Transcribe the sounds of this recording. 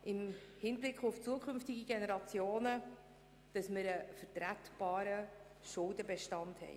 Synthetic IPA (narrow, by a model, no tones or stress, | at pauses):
ɪmhɪnblɪkχʊft͡suəkʰʏmftɪɡiɡenɛɾɑt͡sjoːnə | d̥ɑsmɪɾəfərtɾætb̥ɑːɾə | ʃʊldəbɛʃtɑnthɛ̰j